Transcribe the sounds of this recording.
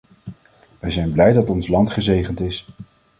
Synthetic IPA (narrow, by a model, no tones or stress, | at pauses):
ʋɛjzɛjnblɛjdɑtɔnslɑntχəzejχəntɪs